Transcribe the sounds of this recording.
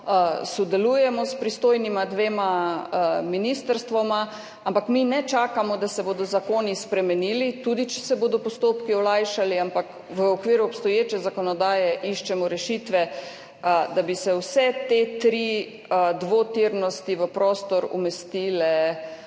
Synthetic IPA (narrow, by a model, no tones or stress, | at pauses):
sɔd̪ɛlujɛmɔspɾist̪oːjnimad̪ʋeːma | minist̪əɾst̪ʋɔma | ampakminɛt͡ʃaːkamɔd̪asɛboːd̪ɔzakoːnispɾɛmɛniːlit̪ud̪it͡ʃɛ̥sɛboːd̪ɔpɔst̪oːpkiɔlajʃaliampak | ʋəɔkʋiːɾuɔpst̪ɔjeːt͡ʃɛzakɔnɔd̪aːjɛʔiʃt͡ʃɛmɔɾɛʃit̪ʋɛ | d̪abisɛwsɛt̪et̪ɾi | d̪ʋot̪iɾnɔst̪iʋəpɾoːst̪ɔɾṵmɛst̪iːlɛ